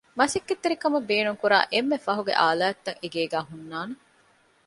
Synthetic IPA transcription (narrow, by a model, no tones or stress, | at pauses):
mɐsikːet̪ːeɾikɐmɐbeːnuŋkuɾa̰ːʔemːefɐɦuɡḛʔa̰ːlaːɐt̪ːɐŋeɡeːɡæːɦunːaːne